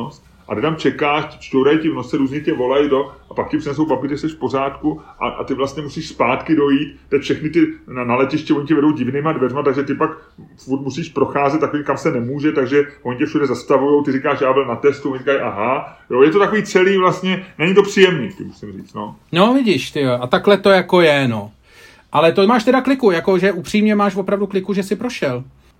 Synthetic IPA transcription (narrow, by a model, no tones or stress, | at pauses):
st̪ | ʔa̰ɡɪt̪amt͡ʃɛkaːʃcɪ̥t͡ʃt̪oɾajcɪvnosɛɾuːzɲɛcɛvo̞lajt̪o̞ʔapakcɪpr̥ɪnɛs̬owbabɪt̪ɛsɛʃfpo̞r̝aːt̪kuʔa̰ʔa̰t̪ɪvlast̪ɲɛmusiːʃspaːt̪kɪdo̞jiːt̪t̪ːɛfʃɛxnɪt̪ɪnnalɛcɪʃcɛo̞ɲɪcɛvɛdo̞wɟɪvniːmadvɛrmat̪aɡʒɛt̪ɪpak | ffuɾt̪musiːʃpɾo̞xaːzɛt̪t̪ːakoiːmkamsɛnɛmuːʒɛt̪aɡʒɛvo̞ɲɪcɛfʃudɛzast̪avujo̞wt̪ɪɾɪkaːʃjaːbɪlnat̪ɛst̪uvoɲrikajʔaɦajojɛt̪ot̪akoviːt͡sɛliːvlast̪ɲɛnɛɲɪt̪o̞pr̥ijɛmnḭːt̪ɪmusɪmriːt͡st̪nonovɪɟiʃt̪ɪoʔat̪aklɛt̪o̞jako̞jɛno̞ | ʔalɛt̪omaːʃt̪ɛdaklɪkujako̞ʒɛʔupr̝̥iːmɲɛmaːʃvopɾavduklɪkuʒɛsɪpɾoʃɛl